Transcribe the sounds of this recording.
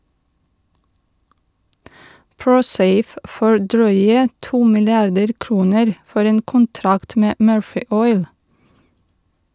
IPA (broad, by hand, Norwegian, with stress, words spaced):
ˈpɹuːˌseɪf ˈfoː ˈɖɾœʏə ˈtuː mɪlɪˈɑɖəɾ ˈkɾuːnəɾ ˈfɔɾ ˈeːn kʊnˈtɾɑkt ˈmeː ˈmøːɹfɪ ˈɔʏl